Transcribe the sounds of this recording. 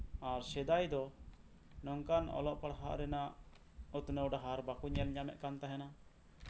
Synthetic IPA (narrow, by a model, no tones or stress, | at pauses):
aɾsɛd̪ajd̪ɔ | nɔŋkanɔ̰lɔʔpaɽɦa̰ʔɾɛnaʔ | ut̪nəwɖaɦaɾbakuɲɛnɲamɛ̰ʔkant̪aɦɛna